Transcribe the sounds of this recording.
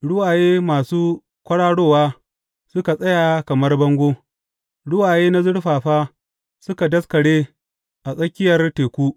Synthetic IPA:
ɽʊ˦waː˨jeː˦maː˨suː˦ | kʷɐ˦ɽaː˦ɽoː˦˨waː˦ | sʊ˦ka˨sʼɐ˦jaː˨kɐ˨mɐ˦rbɐ˦ŋɡʷoː˦ | ɽʊ˦waː˨jeː˦na˦zʊ˦ɽɸaː˨ɸaː˦ | sʊ˦ka˨dɐ˦skɐ˨ɽeː˦ | ʔa˨sʼɐ˦kʲɪ˦jɐ˨rteː˨kʷuː˦

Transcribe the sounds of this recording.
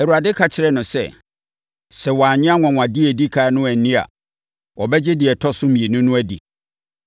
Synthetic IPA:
ɛ˨u˨ɾa˨dɪ˦kʰa˨t͡ɕʰɪ˨ɾɛ˦nʊ̃˨sɛ̰˨ | sɛ˨wɔ˨aː˨ɲɪ̃˦a˦ŋʷɔ̃˨ŋʷ˨ã˨di˦ɛ˨di˦kʰa˨˦nʊ̃˦æ˨n˨nĩ˦a̰˨ | wɔ˨bɛ˦d͡ʑɛ˦dɪ˨ɛ˨tʰɔ˦sʊ˦mĩ˨e˨nʊ̃˦nʊ̃˦æ˦dḭ˨

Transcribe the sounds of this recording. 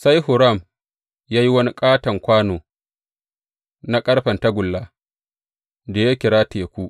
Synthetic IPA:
sa˦jɦʊ˨ɾa˦˨m | jaː˦ji˦wɐ˦ni˦kʼaː˦tɐ˨ŋkʷaː˦noː˨ | na˦kʼɐ˦ɽɸɐ˨nta˦ɡʷʊ˨lːaː˦ | da˨ja˦kʲɪ˨ɾaː˦tʰeː˨kʷu˦ʔ

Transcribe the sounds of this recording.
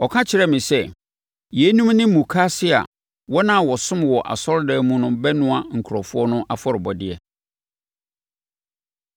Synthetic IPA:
ɔ˨kʰã˦t͡ɕʰɪ˨ɾɛ˦mɪ̃˨sɛ˦ | jɛ˨˦nũ˦mnɪ̃˦mũ˨kʰa˦sɪ˦a̰˨ | wɔ˦nã˦˨wɔ˨sʊ̃˦m˨wɔ˨ʔa̰˨sɔ˦ɾdɛ˦mũ˦nʊ̃˦bɛ˦nʊ̃˦a˨ŋ̩˨kʰʊ˨ɾɔ˨fʊ˦ɔ˦nʊ̃˦ʔa˦fɔ˦ɾɪ˨bɔ˨dɪ˦ɛ˨

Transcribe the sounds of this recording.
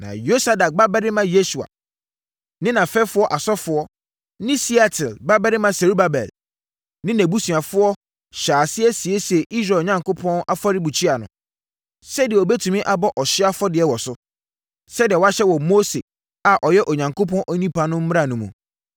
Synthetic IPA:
nã̰˨jo˦sa˨da˨k̚ba˦bɛ˦ɾɪ˦mã˦je˦su˨a̰˨ | nɪ̃˦nã˨fɛ˦fʊ˦ɔ˦ʔa˨sɔ˦fʊ˨˦ɔ˦ | nɪ̃˦si˦a˨tʰɪ˨lba˦bɛ˦ɾɪ˦mã˦se˨ɾu˦ba˦bɛ̰˨l | nɪ̃˦næ̃˨bu˦sũ˨a˨fʊ˦ɔ˦ | ɕaː˨sɪ˦ɛ˦si˨e˦sɛ˨ʔi˦s̬ɾaː˨ɲã˨ŋko˦pʰɔ̃˦na˦fɔ˦ɾɪ˦bu˨t͡ɕʰi˦a˨nʊ̰̃˦ | sɛ˦dɪ˨ɛ˨ɔ˨bɛ˦tʰũ˨mĩ˦ʔa˨bɔ˦ʔɔ˨ɕɪ˦a˦fɔ˦dɪ˨ɛ˦wɔ˨sʊ˦ | sɛ˦dɪ˨ɛ˨wa˦ɕɛ˦wɔ˨mo˦se˨ | a˨ʔɔ˨jɛ˦ʔɔ˨ɲã˨ŋkʰo˦pʰɔ̃˦nʔɔ˦nĩ˦pa˨nʊ̃˦m̩˦m̃˦a˨nʊ̃˨mũ˨

